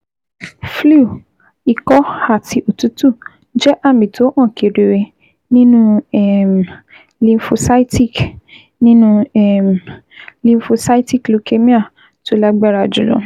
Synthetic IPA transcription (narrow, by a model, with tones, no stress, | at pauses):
flu˦˨ | i˨kɔ˦ha˦˨ti˧ʔo˨tu˨˦tu˦˨ | d͡ʒɛ˦ʔa˦˨mĩ˨tʰo˨˦ʔã˦˨ke˨ɾe˨ɾe˧ | nĩ˦nũ˦ɛ˦˨m˨ | lĩ˧n˦fo˧sa˦i˦ti˦˨k | nĩ˦nũ˦˨m˨lĩ˧n˦fo˧sa˦i˦ti˦˨klu˨˦ke˦mĩ˦a˦˨ | to˦la˦ɡ͡ba˦ɾa˧˨d͡ʒu˨lɔ̰̃˨˦